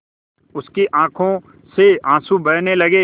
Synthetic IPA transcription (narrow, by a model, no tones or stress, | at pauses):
ʊskeʔãːkʰõ | seãːsubɐɽnelɐɡe